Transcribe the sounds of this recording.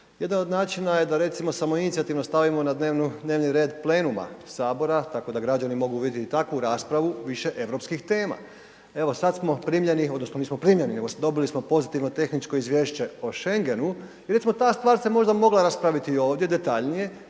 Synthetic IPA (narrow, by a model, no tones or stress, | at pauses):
je̞d̪ano̞d̪naːt͡ʃinaje̞d̪aɾe̞t̪simo̞samo̞init̪siat̪iʋno̞st̪aʋimo̞nad̪neːʋnud̪ne̞ːʋniɾe̞ːd̪ple̞ːnuma̰saːbo̞ɾat̪ako̞d̪aɡɾad͡ʒanimo̞ɡuʋid̪ʲjet̪it̪akʋuɾaːspɾaʋuʋiʃe̞ʔe̞ʋɾo̞pskixt̪e̞ːma̰ | e̞ʋo̞sadt̪smo̞pɾiːmʎe̞nio̞d̪nosno̞niːsmo̞pɾiːmʎʲenine̞ɡosd̪o̞bilismo̞po̞zit̪iʋno̞t̪e̞xnit͡ʃko̞izʋje̞ːʃt͡ɕe̞o̞ʃe̞ŋɡe̞nu | iɾet̪imot̪aːst̪ʋaːɾsemo̞ʒd̪amo̞ɡlˠaɾaspɾaʋit̪io̞ːʋd̪jed̪e̞t̪aʎnije̞